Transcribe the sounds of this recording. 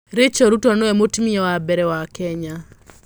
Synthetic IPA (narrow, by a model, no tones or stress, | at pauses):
ɾɪt͡ʃɔɾutɔnɔɛmʊtmiɛwabɛɾɛwakɛɲa